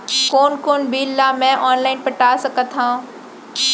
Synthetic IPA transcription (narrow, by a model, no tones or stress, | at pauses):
koːnkoːnbʱiːlːamɛ̃ʔɔːnlaːɪnpɐʈaːsɐkət̪ʰɦãũ